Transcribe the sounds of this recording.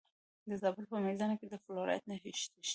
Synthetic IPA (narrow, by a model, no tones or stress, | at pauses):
d̪əzabəlpəmeld̪anoked̪əfloɾ̰ja̰t̪̚naɦiʃt̪eʃ